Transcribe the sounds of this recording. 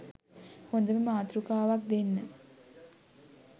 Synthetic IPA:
hond̪əməmaːt̪ɾukaːʋak̚d̪enːə

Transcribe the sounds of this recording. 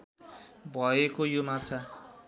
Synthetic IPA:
bʱʌekojomat͡sʰa

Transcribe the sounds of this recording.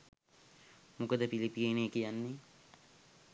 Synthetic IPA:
mukəd̪əpilipieneːkijanːe

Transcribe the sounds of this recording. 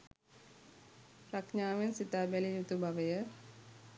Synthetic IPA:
pɾakɲaːʋensit̪aːbælijut̪ubaʋəjə

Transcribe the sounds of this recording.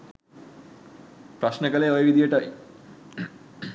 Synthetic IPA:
pɾɐʃnəkəleojəʋid̪ijəʈəi

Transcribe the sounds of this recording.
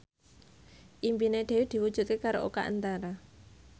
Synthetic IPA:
ʔimbineɖ̥e̤wid̪̥i̤wud̥ʒ̥ṳt̪̚kekaɾo̰ʔoka̰ʔə̰nt̪aɾa

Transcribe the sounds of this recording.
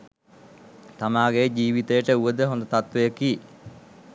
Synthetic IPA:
t̪amaːɡed͡ʒiːʋit̪əjəʈəuʋəd̪əɦõnd̪ət̪at̪ʋejəki

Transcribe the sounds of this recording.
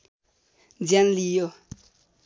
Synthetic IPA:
d͡zjanlijo

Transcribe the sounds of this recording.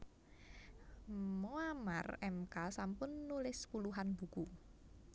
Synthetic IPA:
moama̰rɛmkasampʊnːulɪspuluɦanb̥ṳku

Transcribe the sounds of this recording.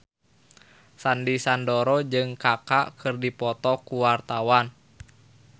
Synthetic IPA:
sandisandɔɾɔd͡ʒɨŋkakakʰɨrdipɔt̪ɔkuwart̪awan

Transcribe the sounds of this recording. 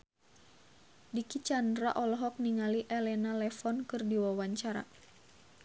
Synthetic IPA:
dikit͡ʃandɾa̰ʔɔlɔɦɔk̚niŋaliʔɛlɛnalɛfɔnkɨrdiwawaɲt͡ʃaɾa̰

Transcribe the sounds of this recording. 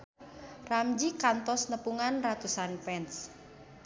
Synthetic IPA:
ramd͡ʒikant̪ɔsnəpuŋanrat̪usanpɛns

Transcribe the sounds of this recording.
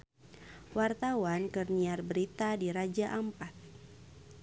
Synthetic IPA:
wart̪awankɨrniarbəɾit̪adiɾad͡ʒaʔampat̪̚

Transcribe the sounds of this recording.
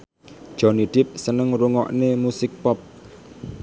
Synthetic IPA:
d̥ʒ̥ɔ̤niɖ̥ɪp̚sənəŋɾuŋɔ̰ʔnemusɪk̚pɔp̚

